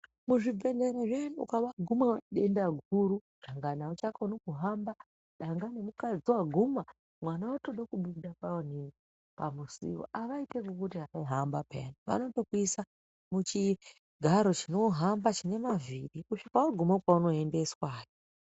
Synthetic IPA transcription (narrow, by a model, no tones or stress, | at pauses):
muʐibʱe̞neɾeʐenṵkaʋaɡʱumaɗendaɡʱuɾu | ɗaŋɡanaut͡ʃakaunokuɦamba | ɗaŋɡane̞mukad͡ziwaɡʱuma | mwanawato̞ɗakuɓuɗapaonini | pa̰musḭwo̰ʔaʋaitekukutiɦakaiɦambapʰḛnuʋa̰no̞to̞kuisa | mut͡ʃi | ɡʱaɾo̞t͡ʃino̞ɦambat͡ʃine̞maviɗikuʃikaaɡʱumakauno̞e̞nde̞swaːji